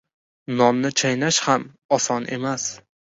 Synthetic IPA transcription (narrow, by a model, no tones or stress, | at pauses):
nɒmnɪt͡ʃʰajnaʃham | ɒsɒnʔe̞̰mas